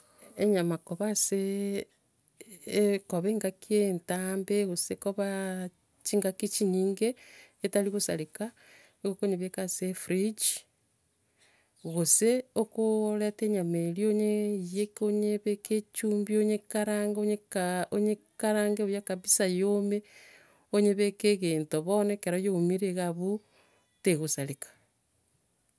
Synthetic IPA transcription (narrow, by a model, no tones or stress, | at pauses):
eɲamakoβase | koβeːŋɡakientaːmbeɣosekoβa | t͡ʃiŋɡakit͡ʃiɲiːŋɡeːtaliɣusa̰lika | iɣokoɲeβekasefɾid͡ʒ | ɣoseokoɾateɲamelioɲejekoɲeβeket͡ʃuːmbioɲekaɾaŋɡoɲekaoɲekaɾaːŋɡeojakaβisajome | oɲeβekeɣeːntoβonekeɾajomiɾeɣaβu | teɣosalekḁ